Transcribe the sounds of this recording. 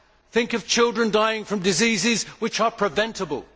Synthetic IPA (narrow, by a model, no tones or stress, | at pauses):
θɪ̃ŋkʌv̥t͡ʃʰɪlˠdɹɨ̃ndaɪɪ̃ŋfɹʌ̃mdɨzizɪzwɨt͡ʃə˞pʰɹ̥ɨvɛ̃ntəbəlˠ